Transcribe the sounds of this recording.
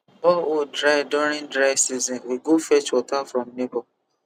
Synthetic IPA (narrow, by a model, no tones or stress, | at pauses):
ɔodɾaɪdɔɾĩndɾaɪsizɔ̃nwiɡofɛt͡ʃwɔtafɾɔ̃mnebɔ